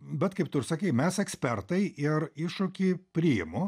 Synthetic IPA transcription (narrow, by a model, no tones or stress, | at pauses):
bʲɛt̪kɐɪp̚t̪ʊrsɐkʲiːɪmʲɛsɛksʲpʲɛrt̪ɐɪʔɪrɪʃʊkʲipʲɾʲɪjɪmʊ